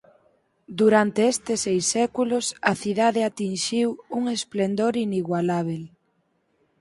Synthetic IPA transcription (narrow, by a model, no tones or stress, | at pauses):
d̪uɾant̪eest̪esejsːɛkulʊsɐθiðaðeat̪inʃiwuŋesplend̪oɾiniɣwalaβ̞el